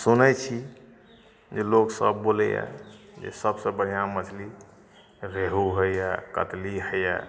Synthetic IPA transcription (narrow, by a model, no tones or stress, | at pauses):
sunət͡ʃʰi | d͡ʒeloksəbːolɛja̰d͡ʒḛsəbsəbənijamət͡ʃʰli | ɾeɦuɦəjakə̰t̪liɦəja̰